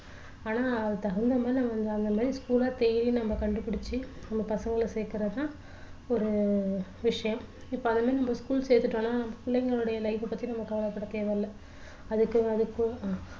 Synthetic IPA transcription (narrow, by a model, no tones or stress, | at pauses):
aːnaːɐðɯt̪ɐɣɐnd̪ɐmaːd̪ɾinɐmːɐʋɐnd̪ɯɐnd̪ɐmaːd̪ɾiskuːlaːt̪ɛjɾinɐmːɐkɐɳɖɯpɪɽɪt͡ʃːɯnɐmːɐpɐsɐŋɡɐɭsɛjkːɪɾɐt̪ãː | ɔɾɯʋɪʂɐjɐ̃m | ɪpːoːɐnd̪ɐmaːd̪ɾinɐmːbɐskuːlseːɾt̪ːɯʈːõːnːaːnɐmːɐkʊlːɐŋɡɐɭɯɽɐjɐlɐɪʋɯpːɐt̪ːinɐmːɐkɐʋɐlɐpːɐɽːɐt̪eːʋeːɐlːɐ | ɐðɯkːɯɐðɯkːɯ̃